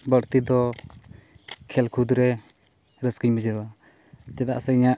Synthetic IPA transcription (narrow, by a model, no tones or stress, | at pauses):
bəɾt̪id̪ɔ | kʰɛlkʰud̪ɾɛ | ɾəskiɲməd͡ʒəɾwa | t͡ʃɛd̪aʔsɛiɲaʔ